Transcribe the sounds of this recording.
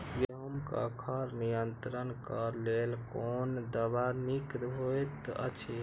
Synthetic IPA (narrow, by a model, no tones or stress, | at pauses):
ɡumkə̰kʰəɾnijənt̪ɾənkəɾlelkond̪əbanikɾɦojt̪ə̰t͡ʃʰe